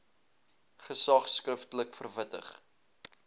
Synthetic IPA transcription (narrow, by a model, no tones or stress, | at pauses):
χəsɐχskrəftələkfərvətəχ